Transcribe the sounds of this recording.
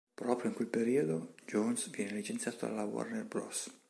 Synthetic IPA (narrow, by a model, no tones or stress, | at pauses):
pɾɔːpɾjoiŋkwelpeɾiod̪od͡ʒonsvjɛːnelit͡ʃent̪sjaːt̪oa̰lawa̰rnɛrblɔs